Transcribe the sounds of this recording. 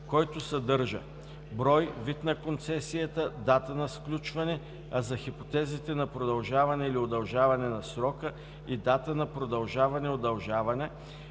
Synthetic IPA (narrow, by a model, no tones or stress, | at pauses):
kɔjt̪osɐd̪ɤɾʒə̰ | bɾɔjvit̪nɐkont̪sɛsiət̪əd̪at̪ənɐsklʲut͡ʃvɐnɛ | azɐxipot̪ɛzit̪ɛnɐpɾod̪ɐlˠʒavɐnɛiliod̪ɐlˠʒavɐnɛnɐsɾɔkə | id̪at̪ənɐpɾod̪ɐlˠʒavɐnɛod̪ɐlˠʒavɐnɛ